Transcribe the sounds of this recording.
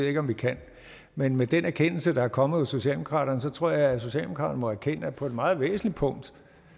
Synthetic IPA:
ð̰ˠe̝ɡ̥ɒ̽mʋikʰæn̰ | menmed̥enæɐkʰen̰l̩səd̥ɑ̈æɐkʰɒ̽məð̩ˠɒso̝ɕiɛ̰ːldemokʰʁɑ̰̈ːd̥ɐnəsɒ̽t͡sʰʁo̝ɐ̰jɑæso̝ɕɛ̰ːld̥emokʰʁɑ̈ːd̥ɐnmɒ̽æɐkʰen̰əæpʰɒ̽e̝d̥mɑ̈ːð̞̩ˠʋḛːsn̩lid̥̚pʰɔ̽ŋ̰d̥

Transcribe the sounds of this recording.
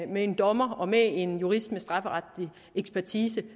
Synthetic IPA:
mee̝nd̥ɒ̽mɐɒ̽mee̝njuʁisd̥mesd̥ʁɑ̈fəʁɑd̥i | eɡ̥sb̥ʰæɐt͡sʰiːsə

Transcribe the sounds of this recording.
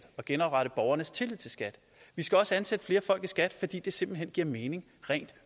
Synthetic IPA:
d̥ɒ̽ɡ̥enɒb̥ʁɑɾ̥əb̥ɒʊɐnəst͡sʰe̝lið̰ˠt͡sʰe̝lsɡ̥æd̥ | ʋisɡ̥æɒ̽səænsed̥əfle̝ːɐfɒ̽l̰ɡ̥isɡ̥æd̥fɒ̽d̥ḭːd̥e̝se̝mb̥l̩ɦen̰ɡ̥iɐ̰me̝ːne̝ŋ | ʁɛ̰ɪ̰nd̥

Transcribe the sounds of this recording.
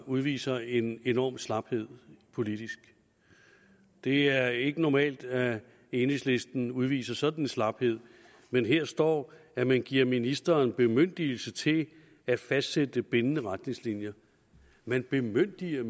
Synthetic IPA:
uð̞ˠʋḭːsɐe̝ne̝nɒ̰ːmslɑ̈b̥he̝ð̞̰ˠpʰo̝lid̥isɡ̥ | d̥e̝æɐe̝ɡ̥ənɒmɛ̰ːld̥ | e̝ːne̝ŋsle̝sd̥n̩uð̞ˠʋḭːsɐsɒ̽d̥n̩enslɑ̈b̥he̝ð̰ˠ | menɦe̝ɐsd̥ɒ̰ːæmænɡ̥iɐ̰minisd̥ɐːnb̥e̝møn̰d̥il̩sət͡sʰe̝ | æfæsd̥sed̥əb̥e̝nənəʁad̥ne̝ŋslinjɐ | mænb̥e̝møn̰d̥iɐ

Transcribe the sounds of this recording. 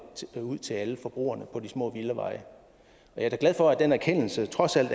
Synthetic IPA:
uð̞̰ˠt͡sʰe̝læləfɒ̽b̥ʁṵːɐnəpʰɒ̽d̥ismɔ̰̽ːʋiləʋɑ̈ɪə | ɒ̽jɑ̈æɐɡ̥læðˠfɒ̽æd̥enæɐkʰen̰l̩sət͡sʰʁɒ̽sæl̰d̥

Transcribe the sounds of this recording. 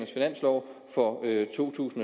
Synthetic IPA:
sfinæn̰slɒʊfɒ̽øt͡sʰo̝̰ːt͡sʰṵːsn̩

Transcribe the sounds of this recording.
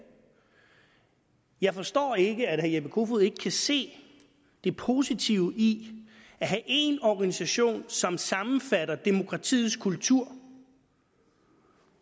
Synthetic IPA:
jɑ̈ɪfɒ̽sd̥ɒ̰ːe̝ɡ̥əæd̥hæɐjeb̥əkʰo̝fuð̩ˠe̝ɡ̥ə̥kʰæse̝̰ː | d̥e̝pʰo̝sit͡sʰiʊi | æɦæʔe̝nɒɡ̥ænisæɕo̝̰ːnsɒ̽msɑ̈mn̩fæɾɐd̥e̝mo̝kʰʁɑ̈t͡sʰḭːð̩ˠskʰult͡sʰuɐ̰

